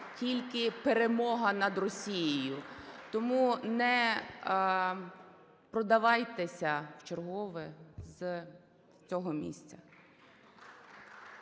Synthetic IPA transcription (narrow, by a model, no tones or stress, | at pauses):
tʲilʲkɪpeɾemɔɦɐnɐd̪rɔsʲijijʊt̪ɔmunɛ | pɾɔd̪ɐʋɑjt̪esʲɐwt͡ʃerɦɔʋɪz | t͡sʲɔɦɔmʲḭsʲt͡sʲɐ